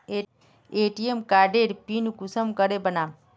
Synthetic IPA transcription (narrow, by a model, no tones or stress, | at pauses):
e | eːʈijemkaːɖeɾpinɡusəmkəɾebəna